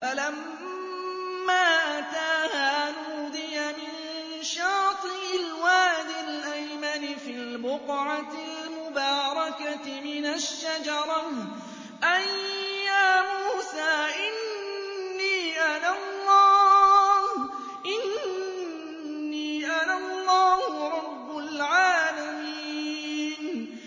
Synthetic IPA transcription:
falam | aːʔat̪aːhaːnuːd̪ɪjamɪn | ʃɑːt̪ˤɨɪlwaːd̪ɪlʔajmanɪfilbʊqʕɑt̪ɪlmʊbɑːɾˤɑkatmɪnaʃːad͡ʒɑɾˤɑ | ʔajːaːmuːsaːʔɪnː | iːʔanalˤːɑːh | ʔɪn | iːʔanalˤːɑːhʊɾˤɑbːʊlʕaːlamiːn

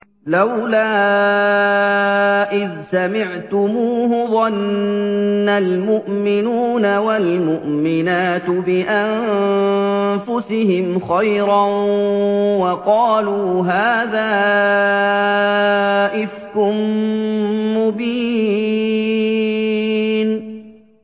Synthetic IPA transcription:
lawlaː | ʔɪðsamɪʕt̪ʊmuːhʊðˤɑnː | almʊʔmɪnuːnawalmʊʔmɪnaːt̪bɪʔan | fʊsɪɦɪmxajɾɑ | wɑqɑːluːɦaːðaː | ʔɪfkʊmː | ʊbiː | n

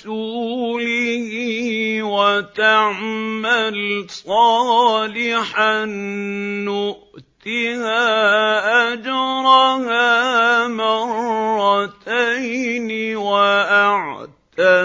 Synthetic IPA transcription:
uːlɪhiːwat̪aʕmalsˤɑːlɪħanː | ʊʔt̪ɪhaːʔad͡ʒɾˤɑhaːmɑɾrːɑt̪ajnɪwaʔaʕt̪a

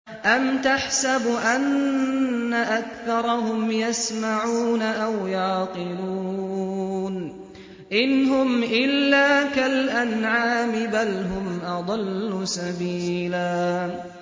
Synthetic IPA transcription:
ʔamt̪aħsabʔanː | aʔakθɑɾˤɑhʊmjasmaʕuːnaʔawjɑːqɨluː | n | ʔɪnɦʊmʔɪlːaːkalʔanʕaːmɪbalɦʊmʔɑd̪ˤɑlːʊsabiːlaː

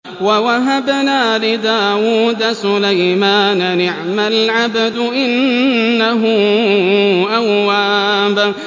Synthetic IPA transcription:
wawaɦabnaːlɪd̪aːwuːd̪asʊlajmaːnanɪʕmalʕabd̪ʊʔɪnːaɦʊ | ʔawːaːba

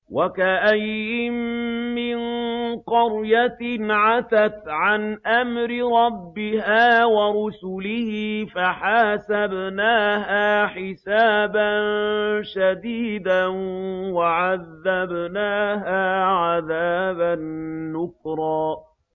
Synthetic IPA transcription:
wʔakaʔajːɪmːɪnqɑɾjat̪ɪnʕaθat̪ʕanʔamɾɪɾˤɑbːɪhaːwɑɾˤʊsʊlɪhifaħaːsabnaːɦaːħɪsaːbanʃad̪iːd̪a | waʕaðːabnaːɦaːʕaðaːbanːʊkɾˤɑː

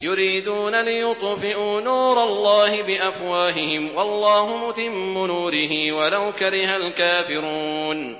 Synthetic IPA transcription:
jʊɾiːd̪uːnalɪjʊt̪ˤfɪʔuːnuːɾˤɑlːɑːhɪbɪʔafwaːɦɪhɪmwɑlˤːɑːɦʊmʊt̪ɪmːʊnuːɾɪɦiːwalawkaɾɪɦalkaːfɪɾuːn

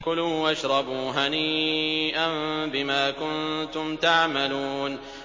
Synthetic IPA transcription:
kʊluːwʔaʃɾˤɑbuːɦaniːʔambɪmaːkʊnt̪ʊmt̪aʕmaluːn

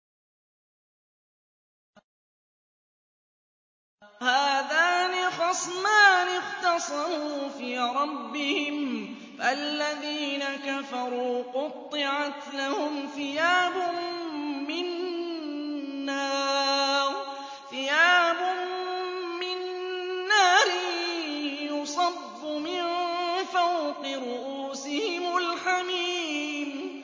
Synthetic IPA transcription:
haːðaːnɪxɑsˤmaːnɪqt̪ɑsˤɑɾuːfiːɾˤɑbːɪhɪm | ʔalːaðiːnakafɑɾˤuːqʊt̪ˤːɨʕat̪lahʊmθɪjaːbʊ | mːɪn | aːɾ | θɪjaːbʊm | mɪnː | aːɾɪ | jʊsˤɑbːʊmɪnfawqɨɾʊʔuːsɪhɪmʊlħamiːm

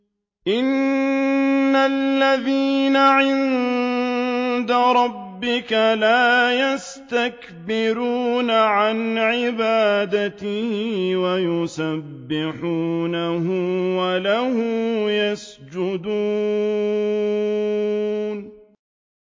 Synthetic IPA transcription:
ʔɪn | alːaðiːnaʕɪnn | d̪aɾˤɑbːɪkalaːjas | t̪ak | bɪɾuːnaʕanʕɪbaːd̪at̪ɪhɪwajʊsabːɪħuːnahʊmwalahʊmjasd͡ʒʊd̪uː | n

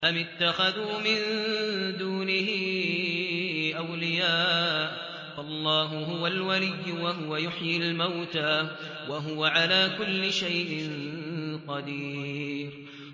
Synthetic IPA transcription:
ʔamɪt̪ːaxaðuːmɪnd̪uːnɪhɪ | ʔawlɪjaːʔ | faʔlˤːɑːɦʊɦʊwalwalɪjːʊwaɦʊwajʊħjɪlmawt̪a | waɦʊwaʕalaːkʊlːɪʃajʔɪnqɑd̪iːɾ

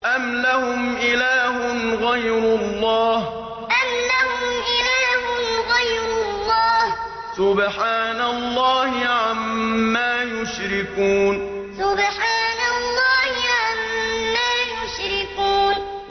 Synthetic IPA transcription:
ʔamlahʊmʔɪlaːhʊnɣajɾʊlˤːɑːh | ʔamlahʊmʔɪlaːɦʊnɣajɾʊlˤːɑːh | sʊbħaːnalˤːɑːhɪʕamːaːjʊʃɾɪkuːn | sʊbħaːnalˤːɑːhɪʕamːaːjʊʃɾɪkuːn

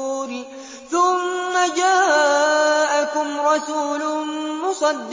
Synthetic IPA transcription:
ɾɪ | θʊmːad͡ʒaː | ʔakʊmɾˤɑsuːlʊmʊsˤɑd̪ː

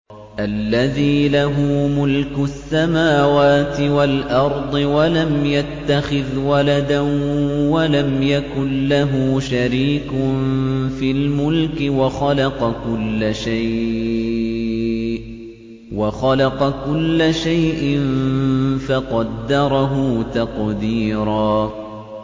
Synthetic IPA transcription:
ʔalːaðiːlaɦuːmʊlkʊsːamaːwaːt̪ɪwalʔɑɾˤd̪ˤɨwalamjat̪ːaxɪðwalad̪anwalamjakʊnːaɦuːʃaɾiːkʊnfiːlmʊlkɪwaxalɑqɑkʊlːʃaj | waxɑlɑqɑkʊlːaʃajʔɪnfaqɑd̪ːɑɾˤɑɦʊːt̪ɑqd̪iːɾaː

